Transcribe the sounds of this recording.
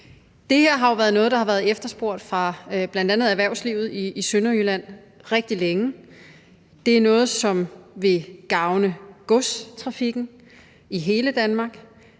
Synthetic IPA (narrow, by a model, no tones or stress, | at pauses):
d̥e̝heɐ̰ɦɑ̈oʋæːɐðˠnɔ̽ːð̞̩ˠd̥ɑ̈hɑ̈ʋæːɐð̞̩ˠefd̥ɐsb̥o̝ɐ̰d̥fʁɑ̈b̥lænd̥ænð̩ˠæʋæɐʊ̰sliʊð̞̩ˠiːsønɐylæn̰ | ʁeɡ̥̚d̥ileŋə | d̥e̝æɐnɔ̽ːð̞̩ˠsɒ̽mʋe̝ɡ̥ɑ̈ʊnəɡ̥ɔst͡sʰʁɑ̈fiɡ̥n̩ | iɦe̝ːləd̥ænmɑ̈ːɡ̥